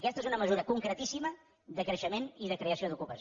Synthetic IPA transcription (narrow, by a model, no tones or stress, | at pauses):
kɛst̪əezunəməzuɾəkuŋkɾət̪isimə | ðəkɾəʃəmeniðəkɾeəsioðukupə̰s